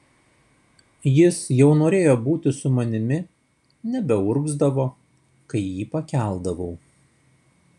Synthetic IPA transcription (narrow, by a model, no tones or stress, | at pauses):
jɪsjɛʊnoːɾʲeːjoːbuːt̪ʲɪsʊmɐnʲɪmʲɪ | nʲɛbʲɛʊɾɡzd̪ɐʋoː | kɐɪjiːpɐkʲæˑlˠd̪ɐʋɔʊ